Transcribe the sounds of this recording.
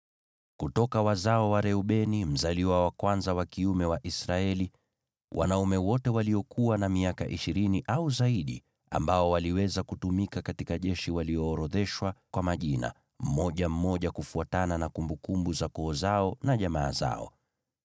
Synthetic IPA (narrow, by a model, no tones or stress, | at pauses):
kutɔkawazaɔwaɾɛuɓɛnim̩zaliwawakwanzawakiumɛwaʔisɾaɛli | wʔa̰naumɛwɔtɛwaliɔkʰuwanamiaka̰ʔiʃiɾiniʔauzaiɗi | a̰mbaɔwaliwɛzakutumikakatikaʄɛʃiwaliɔːɾɔðɛʃwakwamaʄina̰ | m̩mɔʄam̩mɔʄakufuatananakumbukumbuzakɔːzaɔnaʄamaːza̰ɔ̰